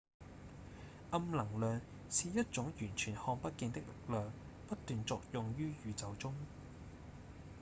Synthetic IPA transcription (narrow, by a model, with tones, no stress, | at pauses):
ʔɐ˧mlɐ˨˩ŋlœː˨ŋ | siː˨jɐ˥t̚t͡sʊ˨˥ŋjyː˨˩nt͡ʃʰyː˨˩nhɔː˧ŋpɐ˥t̚kiː˧nt̪ɪ˥k̚lɪ˨k̚lœː˨ŋ | pɐ˥t̚t̪ːyː˨nt͡sɔː˨˧k̚jʊ˨ŋjyː˥jyː˨˧t͡sɐ˨wt͡sʊ˥ŋ